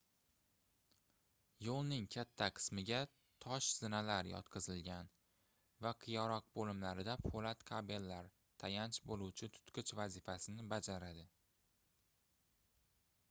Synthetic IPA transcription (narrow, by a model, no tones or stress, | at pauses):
jolˠnɪŋkʲʰat̪ʰːaqʰɨ̥smɪɡʲa | t̪ʰɒʃz̥ɪnalaɾjɒ̰t̪̚qʰɨzɪlɡʲan | vaqʰɨjɒɾɒq̚bolɪmlaɾɪd̪apʰolat̪qʰabe̞lːaɾ | t̪ʰajant͡ʃbolˠuwt͡ʃʰɪt̪ʰʊ̥t̪qʰɨt͡ʃvazɪfasɪnɪbad͡ʒaɾad̪ɪ